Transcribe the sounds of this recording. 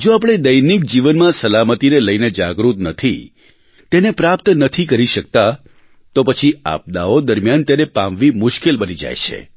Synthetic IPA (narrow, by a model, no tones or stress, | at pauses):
d͡ʒoap̬ɽ̃ed̪əjnik̚d͡ʒiʋənmãsəlamət̪ineləjned͡ʒaɡɾut̪nət̪ʰi | t̪enepɾap̚t̪nət̪ʰikəɾiʃək̚t̪a | t̪opət͡ʃʰia̰p̚d̪aod̪əɾmjant̪enepamʋimʊʃkelbənid͡ʒa̰jt͡ʃʰḛ